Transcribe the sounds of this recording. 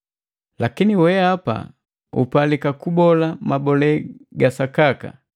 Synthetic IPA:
lakiniwɛapa̰ | ṵpalikakubɔlamabɔlɛɡasakaka̰

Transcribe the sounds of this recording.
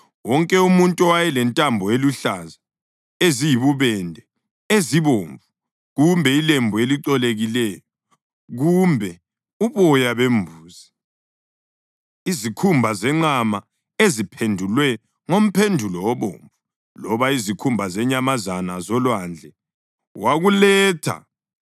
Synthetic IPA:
wɔŋkʼɛumuntʼɔwajɛlɛntʼambʱɔeluɬaza | ezijiβuβɛndʱɛ | eziβoːɱvu | ɣumbʱɛilembʱueliǃɔleɣilɛjɔ | ɣumbʱɛ | uβɔjaβembʱuːzi | izikʰumbʱazɛŋ͡ǀama | ezipʰendʱulwɛ | ŋom̩pʰendʱulɔwɔβo̰ːɱvu | lɔβaizikʰumbʱazɛɲamazanazɔlwand͡ɮʱɛ | waɣulɛːtʰa̰

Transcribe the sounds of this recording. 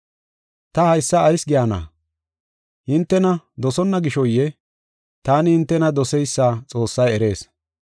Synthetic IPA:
t̪ɐhɐjsːɐːjsɡɪjaːna̰ː | hɪnt̪ːɛnɐd̪ɔsɔnːɐɡɪʃɔjːɛ | t̪aːnɪhɪnt̪ːɛnɐd̪ɔsɛjsːaːt͡sʼo̞ːsːɐjɛɾe̞ːs

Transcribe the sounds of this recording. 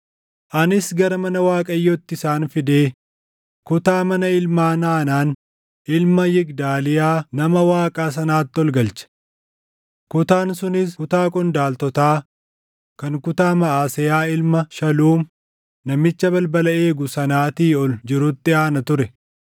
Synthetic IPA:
ʔɐnɪsɡɐɾɐmɐnɐwaːkʼɐjːɔt̪ːɪsaːnfɪd̪eː | kʊt̪aːmɐnɐɪlmaːnaːnaːn | ʔɪlmɐjɪɡd̪aːlɪjaːnɐmɐwaːkʼaːs̬ɐnaːt̪ːɔlɡɐlt͡ʃɐ̥ | kʊt̪aːnsʊnɪskʊt̪aːkʼɔnd̪aːlt̪ɔt̪aː | kɐŋkʊt̪aːmɐaːsɪjaːɪlmɐʃɐluːm | nɐmɪt͡ʃːɐbɐlbɐlɐeːɡʊsɐnaːt̪iːɔld͡ʒɪɾʊt̪ːɪaːnɐt̪ʊɾɛ

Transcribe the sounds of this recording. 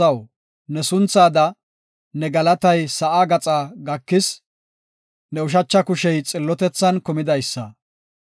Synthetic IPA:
ɐw | nɛsʊnt͡saːd̪ɐ | nɛɡɐlɐt̪ɐjsɐʔaːɡɐt͡sʼaːɡɐkːɪs | nɛʊʃ̬ɐt͡ʃːɐkʊʃɛjt͡sʼɪlːɔt̪ɛt͡sːɐnkɔmɪd̪ɐjsːɐ

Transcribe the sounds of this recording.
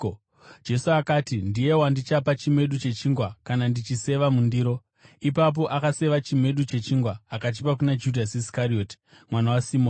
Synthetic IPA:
d͡ʒe̞suakaːtindije̞wandit͡ʃapat͡ʃimwe̞ɗut͡ʃe̞t͡ʃiŋɡwakanandit͡ʃise̞ʋamundiːɾo̞ | ipap̬o̞ʔakase̞ʋat͡ʃimwe̞ɗut͡ʃe̞t͡ʃiŋɡwaːkat̬ipak̬unad͡ʒudʱasisi̥kario̞ːti̥ | mwanawasimon

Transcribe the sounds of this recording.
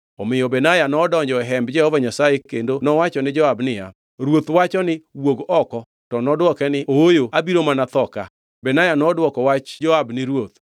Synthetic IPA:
ɔmɪjɔbɛnajanɔdɔɲd͡ʒɔɛɦɛmbd͡ʒɛhɔvaɲasajekendonɔwat͡ʃɔnɪd͡ʒɔabnɪja̰ | ɾwot̪wat͡ʃɔnɪwoɡɔkɔ | tɔnɔdwɔkɛnɪoojoabiɾomanat̪ɔka̰ | bɛnajanɔdwɔkɔwat͡ʃd͡ʒɔabnɪɾwot̪̚

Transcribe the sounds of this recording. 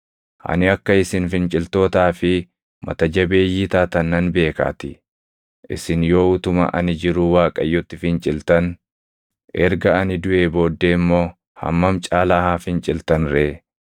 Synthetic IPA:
ʔɐ̰nɪɐkːɐɪsɪnfɪnt͡ʃʼɪlt̪o̞ːt̪aːfɪ | mɐ̰t̪ɐd͡ʒɐbe̞ːjːiːt̪aːt̪ɐnːɐnbe̞ːka̰ːt̪ɪ | ʔɪ̰sɪnjo̞ːʊt̪ʊmɐ̰ʔɐ̰nɪd͡ʒɪɾʊwaːkʼɐjːʊt̪ːɪfɪnt͡ʃʼɪlt̪ɐn | ʔɛɾɡɐɐnɪd̪ʊʔe̞ːbo̞ːd̪ːe̞ːɪmːo̞ː | hɐ̰mːɐmt͡ʃʼaːlahaːfɪnt͡ʃʼɪlt̪ɐnɾeː

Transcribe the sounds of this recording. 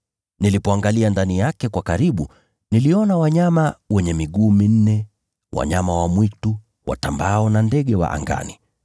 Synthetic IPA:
nilipɔaŋɡaliandanijakɛkwakaɾiɓu | niliɔnawaɲamawɛɲɛmiɠuːmin̩nɛ | wa̰ɲamawamwitu | wa̰tambaɔnandɛɠɛwa̰ʔa̰ŋɡa̰ni

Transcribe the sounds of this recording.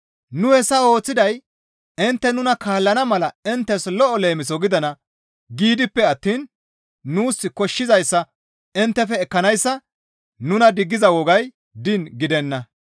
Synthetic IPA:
nʊhɛsːɐo̞ːt͡sːɪd̪ɐj | ɪnt̪ːɛnʊnɐkaːlːɐnɐmɐlɐɪnt̪ːɛslɔʔɔle̞ːmɪsɔɡɪd̪ɐnɐ | ɡiːd̪ɪpːɛɐt̪ːiːnː | uːsːɪkɔʃːɪzɐjsːɐ | ɪnt̪ːɛfɛːkːɐnɐjsːɐ | nʊnɐd̪ɪɡːɪzɐwɔɡɐj | d̪ɪnɡɪd̪ɛnːɐ

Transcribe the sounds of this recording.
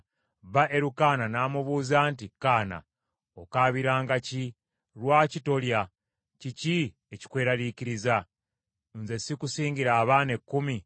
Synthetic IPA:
βaʔe̞ɾukaːnanaːmuβuːzaːntikaːna̰ | okaːβiɾaːŋɡaci | ɾwaːcito̞lja | cici | eci̥kwe̞ːɾaliciɾiza | nze̞sikusiːŋɟiɾaːβaːne̞kːumi

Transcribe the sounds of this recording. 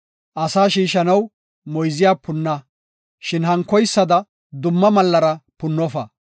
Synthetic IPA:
ʔɐsaːʃiːʃɐnɐw | mɔjzɪjaːpʊnːɐ | ʃɪnhɐŋkːɔjsːɐd̪ɐ | d̪ʊmːɐmɐlːɐɾɐpʊnːɔfɐ

